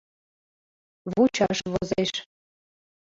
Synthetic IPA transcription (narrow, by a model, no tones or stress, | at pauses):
βut͡ɕɑʃβozeʃ